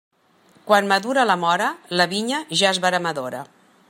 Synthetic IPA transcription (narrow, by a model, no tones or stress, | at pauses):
kwanməðuɾələmɔɾələβiɲəʒaəzβəɾəməðoɾə̰